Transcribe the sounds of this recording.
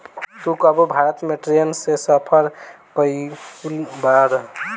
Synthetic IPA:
t̪ukəbobʱaɾət̪meʈeɾijənsesəpʰəɾ | kəjkulbaɾ

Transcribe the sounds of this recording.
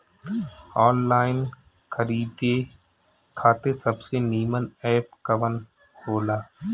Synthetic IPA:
ɔːnlaːɪn | kʰəɾiːd̪eː | kʰaːt̪esəbseniːmənɛːp̚kəʋən | hoːlaː

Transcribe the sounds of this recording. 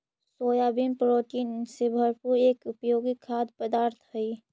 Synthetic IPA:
soːjabinpɾoːʈiːnsebʱəɾpuɾeːkʊpjoːɡikʰːaːd̪pəd̪aːɾt̪ʰɦəi

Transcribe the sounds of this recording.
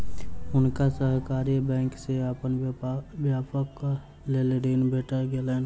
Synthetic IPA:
ʊnkasəɦkaːɾibɛ̃ːŋkseəpənbjaːpək | leleɖenbeːʈəɾɡelɛːn

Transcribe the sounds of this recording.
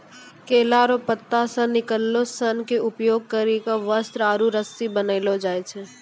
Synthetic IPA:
keːlaɾopət̪ːasə̃nːɪkəlːosənkeʊpjoːɡ̚kəɾikãʋəst̪ɾaːɾuɾəsibənəɪlod͡ʒaːjt͡ʃʰe

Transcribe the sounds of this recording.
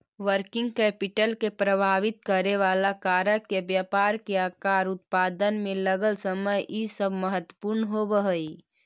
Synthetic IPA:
ʋəɾkɪ̃ŋɡkɛːpɪʈəlkepɾəbʱaːʋɪt̪̚kəɾeʋaːlakaːɾəkebjapaːɾkeakaːɾʊt̪̚paːd̪ənmẽləɡəlsəməjʔisəbməɦət̪wəpuɾnɦobəɦəi

